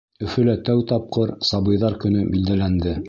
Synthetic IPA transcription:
ɵ̆fɵ̆læt̪æwt̪ɑp̚qɤɾsɑbɤ̆jðɑɾkɵ̆nɵbild̪ælænd̪ɘ

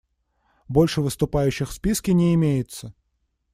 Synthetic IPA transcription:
bo̞lʲʂɨvɨst̪ʊpajʉɕːɪxfspʲiskʲɪnʲɪɪmʲejɪt̪sə

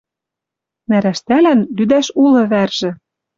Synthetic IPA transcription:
næɾæʃt̪ælænlyd̪æʃulɤ̆βærʒ̥ɘ̆

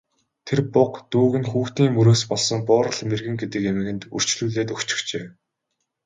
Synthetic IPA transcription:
t̪ʰerpʊqt̪uːɣɘ̆nxuːxt̪iːŋmɵɾoːspɔɮsɞ̆ŋpʊːɾə̆ɮmerɣɘ̆ŋɡet̪ɘ̆kemɘ̆ɣɘ̆nt̪ṵr̥t͡ɕɮuːɮeːt̪ɵkt͡ɕɪ̥̆xt͡ɕeː

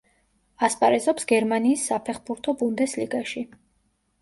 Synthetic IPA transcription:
aspʼaɾɛzɔpsɡɛɾmaniːsːapʰɛχbuɾt̪ʰɔbund̪ɛsliɡaʃi

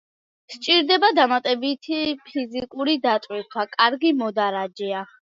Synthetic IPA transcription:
st͡ʃʼiɾd̪ɛbad̪amat̪ʼɛbit̪ʰipʰizikʼuɾid̪at̪ʼwit̪ʰwakʼaɾɡimɔd̪aɾad͡ʒɛa

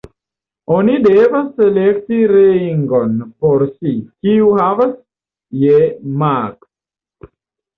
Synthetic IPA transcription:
o̞nidevasːelek̚tiɾeiŋɡo̞npo̞ɾsikiuhavas | jemak

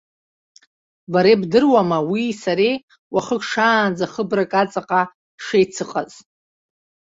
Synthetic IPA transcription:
baɾebdɨrwamawisaɾej | waχəkʷʰʼʂaːnd͡zaχəbrakʼat͡sʼaqʼa | ʂejt͡sʰɨqʼa̰z

